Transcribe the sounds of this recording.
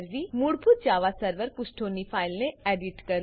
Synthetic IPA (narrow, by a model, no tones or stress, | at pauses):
ɾʋimuɽpʰʊt̪̚d͡ʒaːʋasəɾʋəɾpʊsʈʰoːnipʰaːɪlneeːɖɪʈkɐɾ